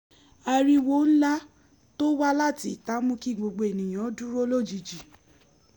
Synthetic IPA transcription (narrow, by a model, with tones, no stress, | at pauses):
a˧ɾi˧wo˦n̩˦la˦ | to˦wa˦la˦˨ti˦˨ta˨˦mũ˦ki˦˨ɡ͡bo˧ɡ͡bo˨e˨nĩ˨j̃ɔ̃˨˦dũ˦ɾo˦lo˦˨d͡ʒi˨d͡ʒi˨